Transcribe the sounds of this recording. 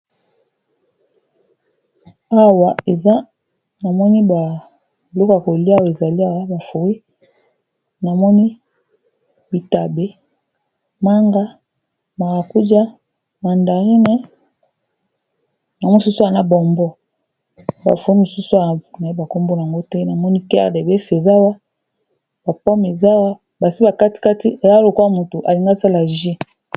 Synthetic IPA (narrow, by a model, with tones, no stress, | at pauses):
a˦wa˨e˨za˦ | na˨mɔ˦ni˦ba˨ | lo˦ka˨ko˨li˦a˦wa˦˨e˨za˨li˦a˨wa˦ba˨fu˨wi˦ | na˨mɔ˦ni˦ | bi˨ta˨be˦ | ma˦ŋɡa˦ | ma˨ʁa˨ku˦d͡ʒa˦ | ma˨nda˨ʁi˦nɛ˦ | na˨m˦su˦su˦a˨na˦bɔ˨mbɔ˦ | ba̰˨fo˦ni˦mo˨su˦su˦a˨na˨i˦ba˨ko˦mbo˦n˨a˨ŋɡo˦tɛ˦na˨mɔ˦ni˦kɛ˦˨de˨be˦fe˨za˦wa˦ | ba˨pɔ˦me˨za˦wa˦ | ba˨si˦ba˨ka˦ti̥˦ka˦ti˦e˨za˦lo˨kwa˦mo˨to˨ʔa˨li˨ŋɡa˦sa˦la˨ʒi˦